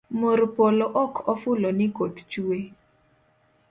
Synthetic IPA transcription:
moɾopolɔʔɔkʰɔfʊlɔnɪkot̪t͡ʃue

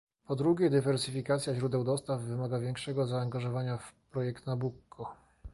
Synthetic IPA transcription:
pɔd̪ɾuɡʲɛd̪ɘvɛɾsɘfʲikat̪sʲjaʑɾud̪ɛwd̪ɔst̪avːɘmaɡavʲjɛŋkʂɛɡɔzaːŋɡaʐɔvaɲafpɾɔjɛkt̪nabukʰːɔ

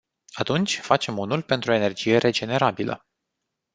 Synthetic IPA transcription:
at̪unt͡ʃʲfat͡ʃe̞munulpe̞nt̪ɾuo̞ene̞rd͡ʒije̞ɾʔe̞d͡ʒe̞ne̞ɾabilə̰

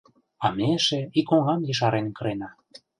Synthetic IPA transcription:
ɑmeʃeikoŋɑmjə̆ʃ̬ɑɾʔenkɤ̆ɾenɑ

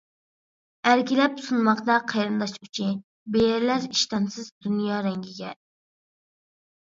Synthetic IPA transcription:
æɾkʲilɛpsunmɑqd̪ɑqʰejɾɨnd̪ɑʃyt͡ʃʰin | bejɛɾlæɾiʃt̪ɑnsɨzd̪unjɑːɾɛŋɡʲiɡʲɛ

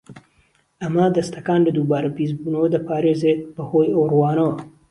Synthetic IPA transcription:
ʔɐmɐd̪ɐst̪ʰɐkaːnlɐd̪uːbaːɾɐbiːzbuːnɐwɐd̪ɐpʰaːɾeːzeːbɐhoːjɐwrwaːnɐwɐ

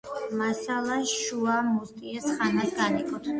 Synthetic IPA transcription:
masalˠaʃuamust̪ʼiɛsχanasɡanikʼɔt̪ʰ

